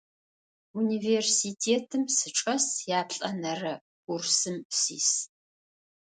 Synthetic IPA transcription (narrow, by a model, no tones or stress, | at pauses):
uniːversiːtʰeːtʰɨmsɨʈ͡ʂʼɐsjaːpɬʼɐnɐrɐ | ɡʷʊrsɨmpsḭːs